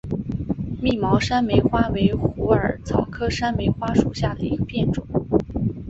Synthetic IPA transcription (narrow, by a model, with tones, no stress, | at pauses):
mi˥˩mɑ˧˥ʊʂa˥nme˧˥ɪxwa˥we˧˥ɪxu˧˥ə˞˨˩t͡sʰɑ˨˩ʊkʰɤ˥ʂa˥nme˧˥ɪxwa˥ʂu˨˩ɕja˥˩d̪ə˩i˧˥ɡə˧pʰjɛ˥˩nʈ͡ʂʊ˨˩˦ŋ